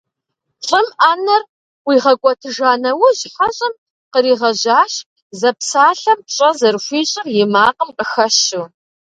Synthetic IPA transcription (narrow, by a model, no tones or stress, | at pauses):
ɬʼɨmaːnɐr | wiːʁɐkʷʼɔtʰɨʒaːnɐwʊʑħɐɕʼɪm | qəɾiːʁɐʑaːʃ | zɐpsaːɬɐmpɕʼɐzɐrɕʷiːɕʼɪrjɪmaːqəmqəxɐʃu